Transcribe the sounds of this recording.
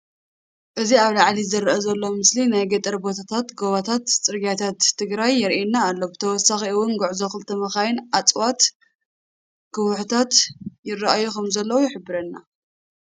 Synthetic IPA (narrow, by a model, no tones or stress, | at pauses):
ʔɨziaβlaʕlizɨɾʔɐzɐlːomɨslinajɡɐt̪ʼɐɾbo̞t̪ʰat̪ʰat̪ɡoβat̪ʰat̪t͡sʼɨɾɡat̪ʰat̪ʰːɨɡɾajːɪɾʔinːaːlːobɨt̪ʰɐwɔsːaxiɨwʊnɡuʕzokɨlt̪ʰɐmɐxajɪnʔat͡sʼwat̪ | kʰɨwʊħut̪ʰat̪jɪrɐʔajukʰɐmzɐlːɐwujɪħɨbːɨɾɐnːa